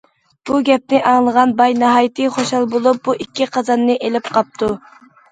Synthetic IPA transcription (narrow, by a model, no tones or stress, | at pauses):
b̥uɡʲɛp̚nɪʔɑŋlˠəʁɑnbɑjnɑɦɑjit̪ʰɨχoʃɑlˠbolˠup̚buikʲːiqɑzɑnːɨʔelɪp̚qʰɑp̚t̪ʰu